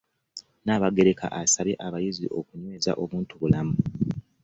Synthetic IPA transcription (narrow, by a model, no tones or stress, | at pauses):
naːβaɡe̞ɾeka̰ʔasaβeʔaβajiziʔo̞kuɲwe̞ːza̰ʔo̞βuːntuβulamu